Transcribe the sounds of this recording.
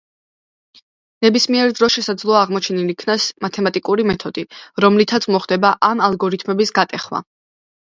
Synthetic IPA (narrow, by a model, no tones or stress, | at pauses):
nɛbismiɛɾd̪ɾɔsʃɛsad̪zlˠɔaːʁmɔt͡ʃʰɛnilikʰnasmat̪ʰɛmat̪ʼikʼuɾimɛt̪ʰɔd̪iɾɔmlit̪ʰat̪sʰmɔχd̪ɛbaʔanalˠɡɔɾit̪ʰmɛbisɡat̪ʼɛχma̰